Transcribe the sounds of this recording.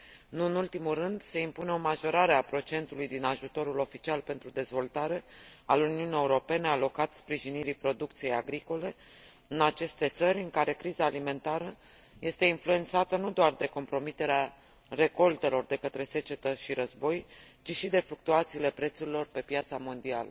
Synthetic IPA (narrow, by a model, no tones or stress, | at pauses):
nuɨnult̪imurɨnd̪se̞impune̞o̞maʒo̞ɾaɾe̞apɾo̞t͡ʃe̞nt̪ulujd̪inaʒut̪o̞ɾulo̞fit͡ʃialpe̞nt̪ɾud̪e̞zvo̞lt̪aɾe̞aluniunijeuɾo̞pe̞ne̞alo̞kat̪spɾiʒiniɾipɾo̞d̪uk̚t̪sijejaɡɾiko̞le̞ | ɨnat͡ʃe̞st̪e̞t̪səɾʲɨŋkaɾe̞kɾizaːlime̞nt̪aɾə | je̞st̪e̞influe̞nt̪sat̪ənud̪oard̪e̞ko̞mpɾo̞mit̪e̞ɾea | re̞ko̞lt̪e̞lo̞rd̪e̞kət̪ɾe̞se̞t͡ʃe̞t̪əʃiɾəzbo̞jt͡ʃiʃid̪e̞fluk̚t̪uat̪siːle̞pɾe̞t̪suɾilo̞rpe̞pjat̪samo̞nd̪ialə